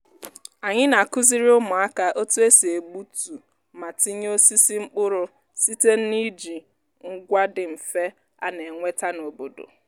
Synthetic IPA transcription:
a˨ɲɪ˦na˨kʊ˦zi˦ɾi˦ʊ˦mʊ˨a˦ka˨ʔo˦tu˦e˦se˨e˨ɡ͡bu˦tu˨ | ma˨ti˦ɲ˦o˦si˦si˦ŋ͡m̩˦k͡pʊ˦ɾʊ˨ | si˦te˦n̩˦ni˦d͡ʒi˨ | ŋ̩˦ɡʷa˦dɪ˨m̩˨fe˦ | a˦ne˨ŋʷe˦ta˦no˨bo˨do̰˨

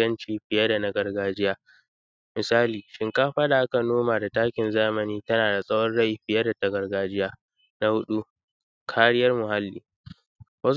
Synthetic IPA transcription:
ɐ˦nt͡ʃiː˦ɸɪ˨jɐ˦da˨nɐ˦ɡɐ˨rɡaː˦d͡ʒɪ˦jaː˦ | mɪ˨saː˦liː˨ʃɪ˦ŋkaː˦ɸaː˦da˨ʔa˦ka˨noː˦maː˨da˨taː˦kʲɪ˨nzaː˦mɐ˨niː˦tɐ˦naː˨da˨sʼɐ˦wɔ˦nɽɐ˦ji˨ɸɪ˨jɐ˦da˨tɐ˦ɡɐ˨rɡaː˦d͡ʒɪ˦jaː˦ | na˦hʊ˦ɗu˦ | kʰaː˦ɽɪ˦jɐ˦rmʊ˨ɦa˦lːḭː˦ | wɐ˦

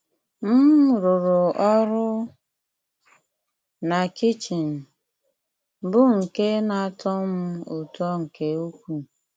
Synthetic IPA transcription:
m̩˦ɾʊ˨ɾʊ˨ɔ˦ɾʊ˦ | na˨ki˦t͡ʃi˨n̩˨ | bʊ˦ŋ̩˨ke˦na˨˦tɔ˦mʊ˦ʊ˨tɔ˦ŋ̩˨ke˨u˦kʷu˨

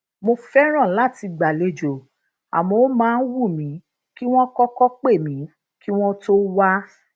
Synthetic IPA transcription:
mo˧fɛ˦ɾ̃ã˦˨la˦˨ti˧ɡ͡ba˨le˧d͡ʒo˨ | a̰˨mɔ̃˨˦o˦mãː˦˧n̩˦wu˦˨mĩ˨˦ | ki˦w̃ɔ̃˦kɔ˦kɔ˦k͡pe˦˨mĩ˨˦ | ki˦w̃ɔ̃˦to˦wa˦

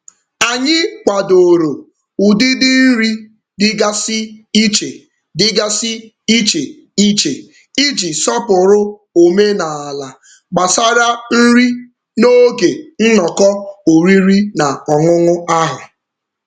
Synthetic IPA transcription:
a˨ɲɪ˦kʷa˨do˨ɾo˨ | u˨dɪ˦dɪ˦n̩˦ɾi˦ | dɪ˦ɡa˦sɪ˦i˦t͡ʃe˨ | dɪ˦ɡa˦sɪ˦ | i˦t͡ʃe˨ | i˦t͡ʃe˨ | i˦d͡ʒi˨sɔ˦pʊ˨ɾʊ˦o˨me˦na˨a˨la˨ | ɡ͡ba˨sa˦ɾa˦n̩˦ɾi˦ | no˦ɡe˨n̩˦nɔ˨kɔ˦o˨ɾi˦ɾi˦na˨ɔ˨ŋʊ˦ŋʊ˦a˦ɦʊ˨

